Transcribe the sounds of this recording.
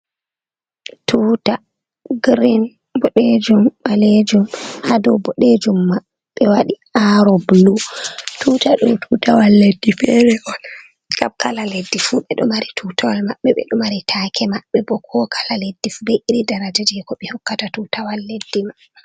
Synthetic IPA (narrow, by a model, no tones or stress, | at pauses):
tʰuta | ɡɾin | bɔɗed͡ʒɔmɓaled͡ʒumhadɔbɔɗed͡ʒumːḁː | ɛwaɗi | aɾɔblutʰuːtaɗɔmtʰutawalːedːifɛɾɛʔɔl | kamkalaledːifuɓɛɗɔ̰maɾitʰutawalmaɓːɛɓɛ̰ɗɔmaɾitʰakʰɛmaɓːɛbɔkʰɔkʰḁlaledːifubɛʔiɾidaɾad͡ʒad͡ʒɛkɔɓɛhɔkːatatuːtawalːedːima | ɛ